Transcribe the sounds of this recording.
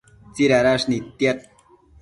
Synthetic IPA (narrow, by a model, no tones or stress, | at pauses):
t͡siɾaɾaʂnit̪jat̪̚